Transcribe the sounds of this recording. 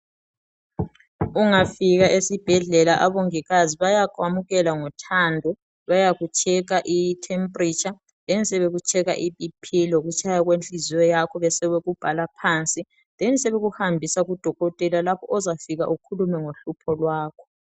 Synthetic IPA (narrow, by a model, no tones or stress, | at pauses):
uŋafiɣaʔesib̥ʱɛɮɛlaʔaβoŋiɣaziβajakʼwamuɣɛlaŋɔtʰandʱɔ | βajaɣut͡ʃʰʼɛɣaʔitʰɛmpʼrit͡ʃʼa | ðɛnisɛβeɣut͡ʃʰʼɛɣa̰ʔipʼipʰilɔɣut͡ʃʼʰajaɣwent͡ɬʼiziwɛjakʰɔβɛsɛβɛɣub̥ʱalapʰant͡sʼi | ðɛnisɛβeɣuhambʱisaɣud̥ʱɔɣɔtʼɛlalapʰɔʔɔzafiɣa̰ʔukʰulumɛŋoɬupʰɔlwaːkʰɔ̥